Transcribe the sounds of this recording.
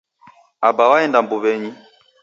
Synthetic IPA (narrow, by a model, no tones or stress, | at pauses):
abawaɛndambuβɛɲi